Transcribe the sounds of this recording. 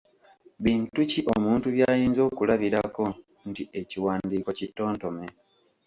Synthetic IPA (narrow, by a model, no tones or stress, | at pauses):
βiːntuciʔo̞muːntuβjaːjiːnzo̞ːkulaβiɾako̞ | ntiʔe̞ciwaːndiːkocitːo̞ːnto̞me̞